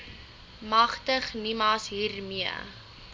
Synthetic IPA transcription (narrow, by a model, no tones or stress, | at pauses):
mɐχtəχnimɑːsɦiːrmiə̰